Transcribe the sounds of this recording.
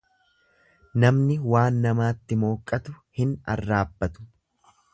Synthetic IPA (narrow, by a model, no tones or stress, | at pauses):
nɐmnɪwaːnːɐmaːt̪ːɪmo̞ːkʼːɐt̪ʊhɪnɐ̰rːaːbːɐt̪ʊ̥